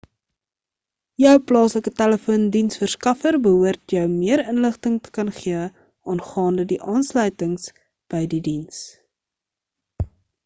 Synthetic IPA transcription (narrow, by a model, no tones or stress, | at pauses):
jœwplɑːsləkətæləfuəndinsfərskɐfərbəɦuərtjœwmiəɾənləχtəŋtə̥kɐnχiə | ɑːnχɑːndədiʔɑːnslœɥtəŋs | b̥əjdidins